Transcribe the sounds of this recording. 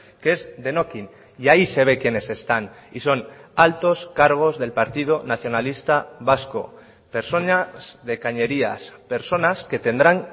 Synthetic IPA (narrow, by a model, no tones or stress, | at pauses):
keezðe̞no̞kin | iaise̞β̞e̞kjene̞se̞st̪aniso̞nalt̪o̞skaɾɣ̞o̞zðe̞lpaɾt̪ið̞onaθjo̞nalist̪aβasko̞̰ | pe̞ɾso̞naz̥ðe̞kaɲe̞ɾia̰spe̞ɾso̞naske̞t̪e̞nd̪ɾaŋ